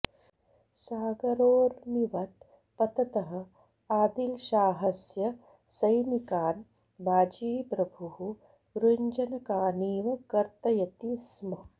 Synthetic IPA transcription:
saːɡɐɾoːɾmiʋɐt̪ | pɐt̪ɐt̪ɐɦɐ̆ | aːd̪ilʃaːɦɐsjɐ | sɐjnikaːn | bʱaːd͡ʒiːpɾɐbʱuɦu | ɾuɲd͡ʒɐnɐkaːniːʋɐkɐɾt̪ɐjɐt̪ismɐ

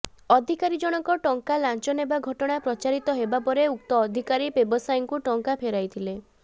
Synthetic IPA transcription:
ɔd̪ʱikaɾid͡ʒɔɽ̃ɔŋkɔʈɔŋkalant͡ʃɔnebaɡʱɔʈɔɽ̃apɾɔt͡ʃaɾit̪ɔɦebapɔɾeuk̚t̪ɔːd̪ʱikaɾibebɔsajɔŋkuʈɔŋkapʰeɾajt̪ʰile

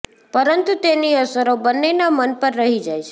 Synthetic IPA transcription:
pəɾənt̪ut̪eniəsəɾobənːenamənpəɾːəɦid͡ʒajt͡ʃʰe

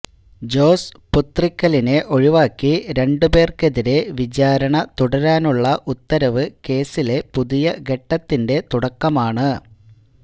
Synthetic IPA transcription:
d͡ʑo̞ːsput̪rikʲːɐline̞ʔo̞ɻiʋaːkːiɾe̞ɳɖube̞ːrke̞ðiɾe̞ʋid͡ʑaːɾɐɳɐt̪uɽɐɾaːnuɭːɐʔut̪ːɐɾɐʋɨke̞ːsile̞puðijɐɡe̞ʈːɐt̪ːinde̞t̪uɽɐkːɐmaːɳɨ

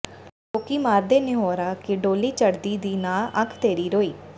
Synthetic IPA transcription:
toːkiːmaːɾd̪eːnẽːɦoːɾaːkɪɖoːliːt͡ʃəɽd̪iːd̪iːnaːəkʰt̪eːɾiːɾoːiː

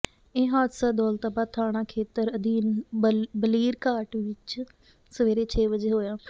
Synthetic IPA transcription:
ẽːɦaːd̪saːd̪ɔːlt̪abaːt̪ʰaːɽ̃ãːkʰeːt̪əɾəd̪iːnbəliːɾkaːʈʋɪt͡ʃ | səʋeːɾeːt͡ʃʰeːʋəd͡ʒeːɦoːjaː

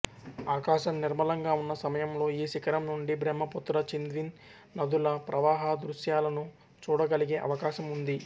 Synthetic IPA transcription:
aːkaːʃɐmniɾmɐlɐŋɡaːunːɐsɐmɐjɐmlo̞ːiːʃikɐɾɐmnuɳɖibɾɛmːɐput̪ːɾɐt͡ʃind̪ʋinː | ɐd̪ulɐpɾʔɐʋaːɦɐd̪ɾuʃjaːlɐnu | t͡ʃuːɽɐɡɐliɡe̞ːʔɐ̰ʋɐkaːʃɐmund̪i

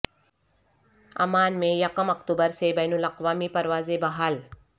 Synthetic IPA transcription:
ɐ̰maːnmejɐkəmɐkt̪ubəɾsebɐjnulɐqʋaːmipɐɾʋaːzebɐɦal

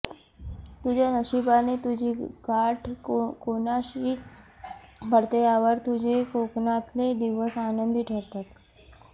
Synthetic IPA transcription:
t̪ud͡ʑʱanəʃibanet̪ud͡ʑʱiɡaʈʰkonaɕi | bʱəɽt̪eaʋəɾt̪ud͡ʑʱekoknat̪led̪iʋəsanənd̪iʈʰəɾt̪at̪

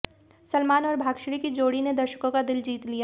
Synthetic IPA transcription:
sɐlmaːnɔːɾbʱaːɡʃɾikid͡ʒoːɽined̪ɐɾʃə̥kõkad̪ɪld͡ʒiːt̪lija

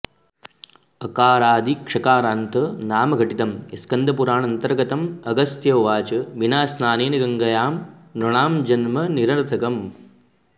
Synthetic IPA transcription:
ɐkaːɾaːd̪ikʂɐkaːɾaːnt̪ɐnaːmɐɡʱɐʈit̪ɐmiskɐnd̪ʱɐpuɾaːɳɐnt̪ɐɾɡɐt̪ɐmɐɡɐsjɐːʋaːt͡ʃɐʋinaːsnaːneːnɐɡɐŋɡɐjaːmnɾɐɳaːmd͡ʒɐnmɐniɾɐɾɐt̪ʰɐkɐm

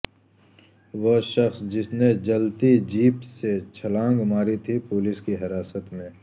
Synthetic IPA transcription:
ʋoʃɐxsd͡ʒɪsned͡ʒɐlt̪id͡ʒiːpset͡ʃʰɐlãːŋɡmaːɾit̪ʰipʊːlɪskiɦɪɾaːsət̪mẽː

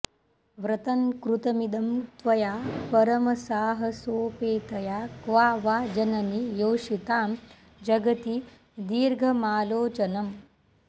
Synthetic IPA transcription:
ʋɾɐt̪ɐŋkɾut̪ɐmid̪ɐmt̪ʋɐjaːpɐɾɐmɐsaːɦɐsoːpeːt̪ɐjaːkʋaːʋaːd͡ʒɐnɐnijoːʂit̪aːm | d͡ʒɐɡɐt̪i | d̪iːɾɡʱɐmaːloːt͡ʃɐnɐm

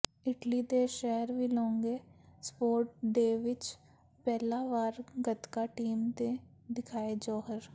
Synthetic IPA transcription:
ɪʈlid̪eʃɛɦəɾʋʱilɔ̃ːŋɡespoːɾʈ̚ɖeːʋɪt͡ʃ | pɛːlaʋaːɾɡət̪kaʈiːmt̪ẽ | d̪ɪkʰaːed͡ʒɔːɦəɾ

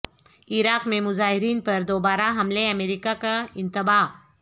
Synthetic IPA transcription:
ɪɾaːqmẽmʊzaːɦɪɾiːnpɐɾd̪oːbaːɾaɦɐmleɐmeːɾiːkakaɪ̃nt̪ɪbaː

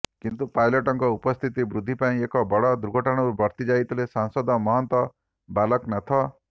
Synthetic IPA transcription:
kint̪upajlɔʈɔŋkɔupɔst̪ʰit̪ibɾud̪ʱːipaĩekɔbɔɽɔd̪ɾuɡʱɔʈaɽ̃ɔɾubʱɔɾt̪id͡ʒait̪ɔlesansɔd̪ɔmɔɦɔnt̪wɔ | balɔknat̪ʰɔ

